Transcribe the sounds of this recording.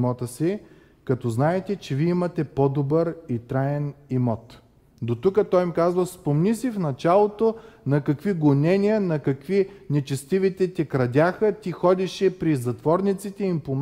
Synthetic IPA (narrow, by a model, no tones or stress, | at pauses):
ɔt̪əsi | kɐt̪ɔznaɛt̪ɛt͡ʃɛviimɐt̪ɛpɔd̪obəɾit̪ɾaɛnimɔt̪ | d̪ot̪ukət̪ɔjmikazvəspomnisifnɐt͡ʃalˠot̪onɐkɐkviɡonɛnijənɐkɐkvinɛt͡ʃɛst̪ivit̪ɛt̪ʲɛkɾɐd̪ʲaxət̪ʲixɔd̪iʃɛpɾizɐt̪vɔɾnit̪sit̪ɛimpom